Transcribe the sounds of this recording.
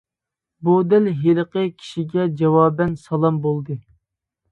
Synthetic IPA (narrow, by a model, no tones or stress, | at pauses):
bud̪ælɦeləqəkʲʰi̥ʃiɡʲɛd͡ʒɑwɑːbɛnsɑlˠɑmbolˠd̪ɨ